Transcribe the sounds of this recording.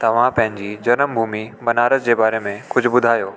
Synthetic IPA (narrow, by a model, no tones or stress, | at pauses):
t̪ɐʋ̤ãpɐ̃ɦɪ̃ɲd͡ʑiːd͡ʑɐnəmbʱuːmibɐnaːɾəsd͡ʑeːbaːɾemẽkʊd͡ʑʱʊ̆bʊd̪ʱaːjoː